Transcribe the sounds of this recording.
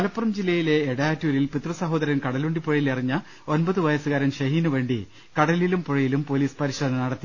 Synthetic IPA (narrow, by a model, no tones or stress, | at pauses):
kɐlɐpːrɐmd͡ʑilːɐjile̞ːɽjaːtːuːɾilpit̪rɐsɐɦo̞ːd̪ɐɾɐnkɐɽɐluɳɖipoɻɐjilɐriɲːɐ | onbɐðɨʋɐjɐsɨɣaːɾɐnɕɐɦiːnuʋe̞ːɳɖḭ | kɐɽɐlilumpoɻɐjilumpoliːspɐɾiʂeːd̪ɐnɐnɐɽɐt̪ːi